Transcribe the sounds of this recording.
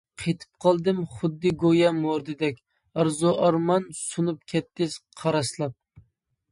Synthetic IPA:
qʰet̪ʰɨ̥p̚qʰɑlˠd̪ɨmχʊd̪ːɨɡojɛmoɾd̪ɨd̪ɛkʲ | ɑɾzuʔɑɾmɑnsunup̚kʲʰɛt̪ːɪsqʰɑɾɑslˠɑp̚

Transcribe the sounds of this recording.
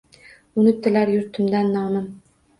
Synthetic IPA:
ʊnɪp̚t̪ːɪlaɾjʊɾt̪ʰɪmd̪anːɒːmɪm

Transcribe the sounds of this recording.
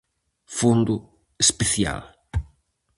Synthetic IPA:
fond̪ʊ | espeθja̰l

